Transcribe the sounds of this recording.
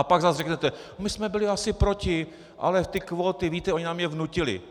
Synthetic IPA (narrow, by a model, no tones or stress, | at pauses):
apaɡzazrɛknɛt̪ɛ | mɪsmɛbɪlɪasɪpɾocɪ | ʔa̰lɛft̪ɪkvo̞ːt̪ɪviːt̪ɛo̞ɲɪnaːmjɛvnucɪlɪ̰